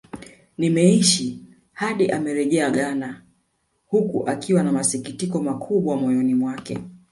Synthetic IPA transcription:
nimɛiʃi | haɗiʔamɛɾɛʄɛaɠana | hukṵʔakiwanamasikitikɔmakʰuɓwamɔjɔnimwakɛ̰

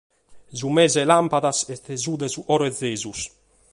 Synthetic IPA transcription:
zumɛːzɛlampaðasɛt̪ezuːd̪ɛzuʔɔɾɛd̪zːeːzus

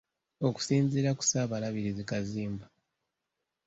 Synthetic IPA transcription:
o̞ku̥siːnziːɾaku̥saːβalaβiɾizikaziːmba

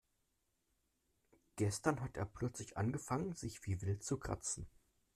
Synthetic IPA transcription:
ɡ̥ɛstɐnɦatʔḛːɐpʰl̥œt͡slɪçʔa̰nɡəfaŋənzɪçv̥iːvɪltt͡sukʁ̥a̰t͡sn̩

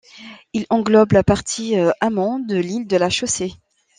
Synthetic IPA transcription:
ilɑ̃ɡlɔblapaʁt̪ʰiøamɑ̃d̪əlild̪əlaʃose

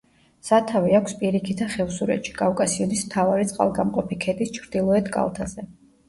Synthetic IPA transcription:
sat̪ʰaviakʰʷspʼiɾikʰit̪ʰaχɛvsuɾɛ̰t̪ʃi̥kʼafkʼasiɔd̪nismt̪ʰavaɾit̪sʼqʼa̰lˠɡamqʼɔpʰikʰɛd̪ist͡ʃʰɾd̪̥ilˠɔɛt̪ʰkʼa̰lˠt̪ʰazɛ

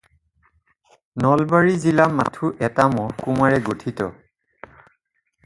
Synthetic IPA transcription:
nɔlbaɹizilamatʰuʔɛtamɔkumaɹɛɡotʰitɔ̰

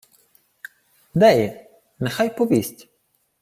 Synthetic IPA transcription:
d̪æj | nɛxajpɔvʲisʲtʲ

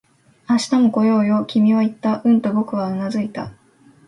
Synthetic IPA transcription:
aɕi̥t̪amoko̞jo̞ːjo̞kʲimʲiβait̪ːaʔɯ̟̃nt̪o̞bo̞kɯ̟β̞aɯnazɨit̪a̰

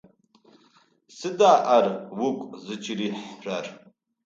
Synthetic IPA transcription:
sɨdaːʔarwukʷʼzɨt͡ʃʰʼiɾiħrar

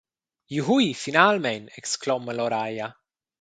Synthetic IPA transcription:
juɦuifinalmɛnɛkskloməloɾaja

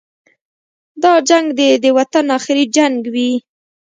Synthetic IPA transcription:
d̪ɑd͡ʒaŋɡd̪ed̪əwat̪anɑxɪɾid͡ʒaŋɡwi

